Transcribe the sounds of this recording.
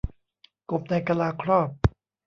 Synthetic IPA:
ko˨˩p̚na˧jka˧laː˧kʰɾɔː˥˩p̚

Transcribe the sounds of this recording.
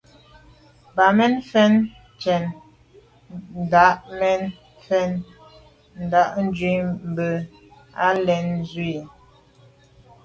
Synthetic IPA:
ba˨mɛ˦nfɛ˦n | t͡ʃɛ˨n | n̩˨da˨˦ʔmɛ˦n | fɛ˦n | n̩˨da˨˦ʔn̩˦d͡ʒwi˨˦m̩˨bə˨ | a˦lɛ˨n˦zwi˦˨

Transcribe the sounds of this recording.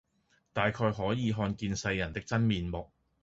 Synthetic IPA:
t̪aː˨jkʰɔː˧jɦɔː˨˥jiː˨ɦɔː˧nkiː˧nsɐ˧jːɐ˨˩nt̪ɪ˥k̚t͡sɐ˥nmiː˨nmʊ˨k̚

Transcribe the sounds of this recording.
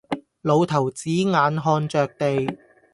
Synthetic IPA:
lo˨˧wt̪ʰɐ˨˩wt͡siː˨˥ŋaː˨˧nɦɔː˧nt͡ʃœː˨k̚t̪e˨j

